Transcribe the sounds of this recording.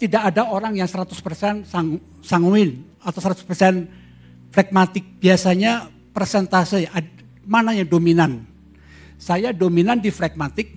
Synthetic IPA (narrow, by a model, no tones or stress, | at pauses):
t̪idakːdaoɾaŋjaŋsəɾat̪ʊspərsɛnsaŋu | saŋuɪn | at̪awsəɾat̪u̥spərsɛn | fɾɛk̚mat̪ɪk̚b̥iasaɲa | pərsɛnt̪asia | manaɲadominan | sajadominandifɾɛk̚mat̪ɪk̚